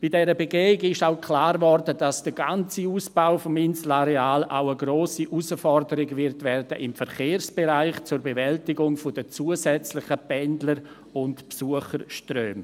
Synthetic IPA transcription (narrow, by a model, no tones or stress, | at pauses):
b̥ɪd̥ɛɾəbeɡeːɪɡɪʃaʊkʰlaːɾvɔɾdəd̥asd̥əɡant͡siuːsb̥aʊfɔmɪnslaɾeaːla̰ʊəɡɾoːsiʔusəfɔrdəɾɪɡvɪɾtvɛrd̥əʔɪmfəɾχeːɾsb̥eɾaɪχt͡sʊɾbevɛltɪɡʊŋfʊdət͡suəzɛt͡slɪχəpɛndləɾ | ʊntpsuəχəɾʃtrøːm